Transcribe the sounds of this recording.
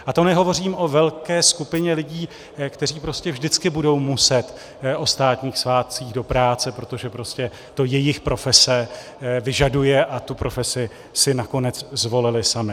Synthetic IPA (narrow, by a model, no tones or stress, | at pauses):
ʔat̪o̞nɛɦo̞vo̞r̝iːmʔo̞vɛlkɛːskupɪɲɛlɪɟiː | kt̪ɛriːpɾo̞scɛvʒdɪt͡skɪbudo̞wmusɛt̪ | ʔo̞st̪aːt̪ɲiːxsvaːt̪̚t͡siːɣdo̞pɾaːt͡sɛpɾo̞t̪o̞ʒɛpɾo̞scɛ | t̪o̞jɛjɪxpɾo̞fɛsɛ | vɪʒadujɛʔat̪upɾo̞fɛsɪ | sɪnako̞nɛt͡szvo̞lɪlɪsamɪ